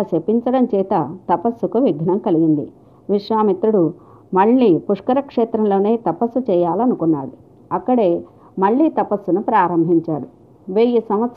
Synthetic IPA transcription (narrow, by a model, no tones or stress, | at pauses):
t͡ʃepːiɲt͡ʃɐɽɐmt͡ʃɛːt̪ɐt̪ɐpɐsːukuʋiɡʱnɐmkɐliɡind̪ḭ | ʋiʂʋaːmit̪ɾuɽu | mɐɭːiːpuʂkɐɾɐkʂɛːt̪ɾɐmlo̞ːne̞ːt̪ɐpɐsːut͡ʃɛːjaːlɐnukunːaːɽu | ɐkːɐɽe̞ː | mɐɭːiːt̪ɐpɐsːunupɾaːɾɐmbʱiɲt͡ʃaːɽu | ʋeːjisɐmɐt̪s